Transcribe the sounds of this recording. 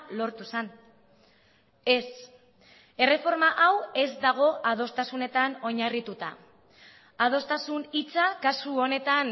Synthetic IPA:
lo̞ɾt̪usen | e̞s | e̞re̞fo̞ɾmaʔawe̞zd̪aɣ̞o̞ʔað̞o̞st̪asune̞t̪ano̞ɲarit̪ut̪a̰ | að̞o̞st̪asunit͡sakasuone̞t̪an

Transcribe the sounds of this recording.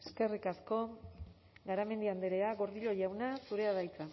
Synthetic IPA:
eske̞rikasko̞ | ɡaɾame̞nd̪iand̪eɾe̞aɣo̞ɾðiʎo̞ʎawnasuɾe̞að̞ajt͡sa

